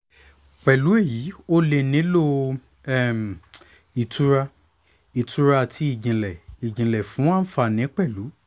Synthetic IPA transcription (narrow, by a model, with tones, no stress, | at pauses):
k͡pɛ˨lu˨˦e˦˨jiː˨˦o˦le˧˨nĩ˨˦lo˦ | ɛ˦˨m˨ | i˨tu˦ɾa˧ | i˨tʰu˦ɾa˦˧tʰi˦i˦˨ɡĩ˨lɛ˨i˨d͡ʒĩ˨lɛ˨fũ˨˦w̃ã˦n̩˦fa˧˨nĩ˨˦k͡pɛ˦˨lu˨˦